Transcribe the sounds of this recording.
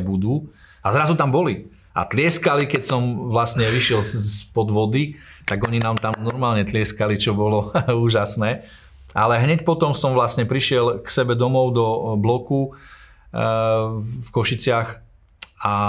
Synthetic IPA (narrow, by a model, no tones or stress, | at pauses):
bud̪uː | azɾazut̪ambɔli | a̰t̪lɪɛskalikɛcsɔmʋlast̪ɲɛʋiʃɪɛlsspɔd̪ʋɔd̪it̪aɡɔɲinaːmt̪amnɔɾmaːlɲɛt̪lɪɛskalit͡ʃɔbɔlɔuːʒasnɛː | ʔalɛɦɲɛc̚pɔt̪ɔmsɔmʋlast̪ɲɛpɾiʃɪɛlksɛbɛd̪ɔmɔʊd̪ɔblɔku | fkɔʃit͡sɪax | a